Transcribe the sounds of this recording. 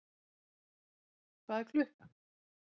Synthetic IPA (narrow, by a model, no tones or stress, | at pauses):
kʰvaðɛɾkʰlʏhka